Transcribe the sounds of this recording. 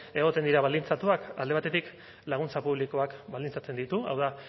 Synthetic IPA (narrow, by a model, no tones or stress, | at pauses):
e̞ɣ̞o̞t̪e̞nd̪iɾaβald̪int͡sat̪uakald̪e̞at̪e̞t̪ik | laɣ̞unt͡sapuβliko̞akbald̪int͡sat͡se̞nd̪it̪ua̰wða